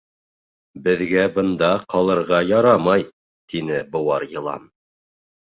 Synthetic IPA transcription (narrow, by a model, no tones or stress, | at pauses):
bɘ̆ðɡæbɤ̆nd̪ɑqʰɑlˠɤ̆ɾʁɑjɑɾɑmɑj | t̪inɘbɤ̆wɑɾjɤ̆lˠɑ̰n